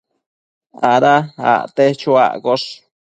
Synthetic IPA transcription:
a̰ɾaa̰t̪et͡ʃua̰ʔkoʂ

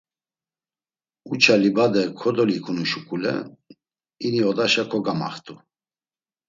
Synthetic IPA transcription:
ut͡ʃʰalibad̪ɛkʰɔd̪ɔlikʰunuʃukʼulɛ̰ | iniɔd̪aʃakʰɔɡama̰χt̪ʼu

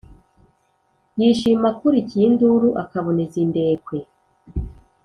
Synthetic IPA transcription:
jiːʃimakuɾicinduɾuʔakaβo̞nezinde̞ːkwe̞

